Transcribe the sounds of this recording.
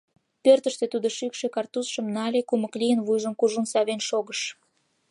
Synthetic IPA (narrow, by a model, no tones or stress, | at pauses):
pørt̪əʃt̪et̪ud̪oʃykʃekɑrt̪usʃəmnɑlʲekuməklijənβujʒəmkuʒunsɑβenʃoɣəʃ